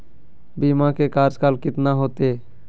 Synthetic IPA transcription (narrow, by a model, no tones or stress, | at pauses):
biːmãkekaːɾd͡ʒkaːlkɪt̪naɦoːt̪eː